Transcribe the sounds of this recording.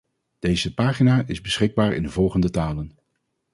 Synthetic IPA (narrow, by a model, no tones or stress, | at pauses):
d̥ejzəpaːχinaːʔɪzbəsχɪɡ̚baːɹɪ̰ndəvɔlˠχəndətaːlən